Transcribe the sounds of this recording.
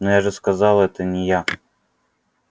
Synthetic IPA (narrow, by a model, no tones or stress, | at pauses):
nojaʐɨskazɑlˠɛt̪ənʲɪja